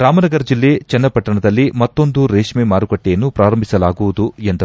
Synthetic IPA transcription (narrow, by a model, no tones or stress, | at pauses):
ɾaːmɐnɐɡɐɾɐd͡ʒilːe̞t͡ʃɛnːɐpɐʈːɐɳɐd̪ɐlːimɐt̪ːo̞nd̪uɾeːʂmemaːɾuɡɐʈːɛjɐnːupɾaːɾɐmbʱisɐlaːɡuʋud̪uend̪ɐ